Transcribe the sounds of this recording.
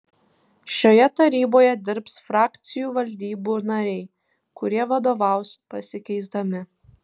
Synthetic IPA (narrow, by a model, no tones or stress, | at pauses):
ʃʲoːjɛt̪ɐɾʲiːboːjɛd̪ʲɪɾpsfɾɑːkt̪sʲɪjuːʋɐlʲd̪ʲiːbuːnɐɾʲɛɪ | kʊɾʲiɛʋɐd̪oːʋɑˑʊspɐsʲɪkʲɛɪzd̪ɐmʲɪ